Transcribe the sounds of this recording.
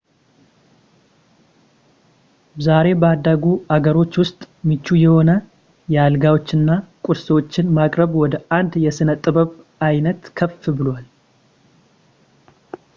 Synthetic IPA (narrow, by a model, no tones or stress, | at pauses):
zaɾe̞bəad̪ːaɡuaɡəɾo̞t͡ʃːwʊst̪ʼ | mɨt͡ʃːujɛho̞nə | jɛalɡawo̞t͡ʃːɨnːakʼʊɾswot͡ʃːɪnmakʼɾəβwɔd̪əʔand̪jɛsɨnət̪ʼɨbəβ | ajnət̪kʰəfɨbɨlwal